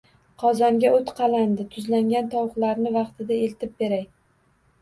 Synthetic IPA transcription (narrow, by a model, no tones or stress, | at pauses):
qʰɒzɒŋɡʲaot̪qʰɑland̪ɪt̪ʰʊzlaŋɡʲant̪ʰɒwχlaɾnɪvɑqt̪ʰɪd̪aelt̪ʰɪp̚be̞ɾaj